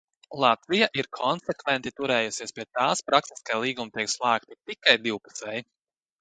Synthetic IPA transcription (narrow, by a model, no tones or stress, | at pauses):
lˠat̪vijaʔiɾkʰɔnsɛkvɛnt̪it̪uɾɛːjusiɛspʲiɛt̪aːspɾaksi̥skalˠiːɡumt̪ʲiɛkslˠaːkt̪it̪ikajd̪iwpu̥sɛj